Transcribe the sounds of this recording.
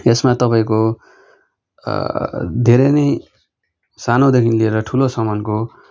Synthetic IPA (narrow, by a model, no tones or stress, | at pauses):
esmat̪ʌpaĩko | d̪ʱeɾʌjnʌj | sanʌod̪ekʰinlieɾʌʈʰulosʌmʌnko